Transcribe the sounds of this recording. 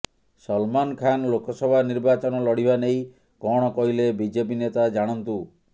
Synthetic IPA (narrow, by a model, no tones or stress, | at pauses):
sɔlmankʰanlokɔsɔbʱaniɾbat͡ʃɔnɔlɔɽibanej | kɔɽ̃ɔkɔɦilebid͡ʒep̬inet̪ad͡ʒaɽ̃ɔnt̪u